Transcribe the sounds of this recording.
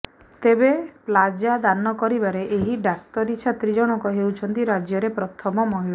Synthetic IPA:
t̪ebeplad͡ʒad̪anɔkɔɾibaɾeʔeɦiɖak̚t̪ɔɾit͡ʃʰat̪ɾid͡ʒɔɽ̃ɔkɔɦewt͡ʃʰɔnt̪iɾad͡ʒjɔɾepɾɔt̪ʰɔmɔmɔɦiɭɔ

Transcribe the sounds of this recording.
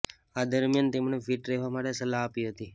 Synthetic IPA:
ad̪əɾmijant̪emɳefiʈɾeɦʋamaʈesəlaːpiɦət̪i

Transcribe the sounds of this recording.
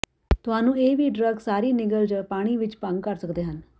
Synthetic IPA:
t̪ʊɦaːnũːeːʋiːɖɾəɡsaːɾiːnɪɡəld͡ʒaːpaːɽ̃iːʋɪt͡ʃpə̃ŋɡkəɾsəkd̪eːɦən

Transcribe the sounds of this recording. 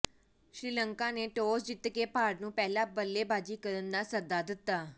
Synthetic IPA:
ʃɾiːləŋkãːneːʈoːsd͡ʒɪt̪keːpaːɖnũːpɛːlãːbəlːeːbaːd͡ʒiːkəɾənd̪aːsəd̪aːd̪ɪt̪ːaː

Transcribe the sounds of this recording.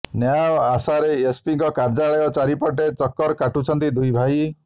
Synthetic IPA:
njaasaɾeespiŋkɔkaɾd͡ʒaɭɔjɔt͡ʃaɾipɔʈ̬et͡ʃɔkːɔɾkaʈut͡ʃʰɔnt̪id̪ujbʱai

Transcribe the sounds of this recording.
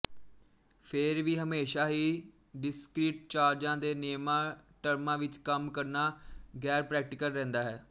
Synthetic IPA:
pʰɪɾʋiːɦəmeːʃaːɦiː | ɖɪskɾiːʈ̚t͡ʃaːɾd͡ʒãːd̪eːneːmãːʈəɾmãːʋɪt͡ʃkəmkəɾnaːɡɛːɾpɾɛːk̚ʈɪkəlːɛ̃ːnd̪aːɦɛː

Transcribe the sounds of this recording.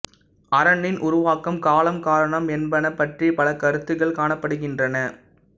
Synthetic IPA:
ɐɾɐɳːɪnʔʊɾʊʋaːkːɐmkaːlɐmkaːɾɐɳɐmɛnbɐnɐpːɐʈripɐlɐkɐɾɯt̪ːɯɣɐɭkaːɳɐpːɐɽɯɣɪndrɐnɐ

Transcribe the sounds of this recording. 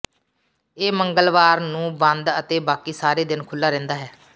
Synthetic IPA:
eːməŋɡəlʋaːɾnũːbə̃nd̪ət̪eːbaːkiːsaːɾeːd̪ɪnkʰʊlːaːɾɛ̃ːnd̪aːɦɛː

